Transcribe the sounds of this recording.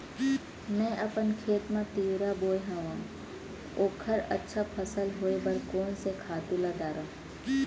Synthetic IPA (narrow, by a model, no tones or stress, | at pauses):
mɛ̃ːʔɐpənkʰeːt̪mãt̪iːwɾaboːjɦãʋãm | oːkʰəɾə̰tːʃʰapʰəsəlɦoːebəɾkoːnsekʰaːt̪ulad̪aːɾaː